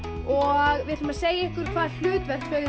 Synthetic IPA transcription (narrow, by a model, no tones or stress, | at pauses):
ɔɣvɪðʏmaðseːjaɪhkʏɾ̥kʰvaːðl̥ʏːt̪vɛɾ̥t̪fœːɣ